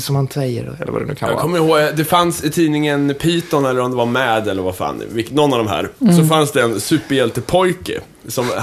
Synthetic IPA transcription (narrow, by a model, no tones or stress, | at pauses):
sɔmhansɛjːə̰ɾɛ̰l̰ːva̰ɛ̰nʉ̰ːkʰajɑ̰ːɡ̰kʰɔmːəɾhoːɡd̪ɛfansɪt̪ʰiːnɪŋənpʰiːt̪ɔnɛlːəɾɔmd̪ɛvaɾmɛːd̪ɛlːəɾvafa̰ːnvɪnɔnːavd̪ɔmɦæ̰ːɾsɔfansd̪ɛːnsʉ̟ːpːəɾjɛlt̪əpʰɔjkə̰ | sɔm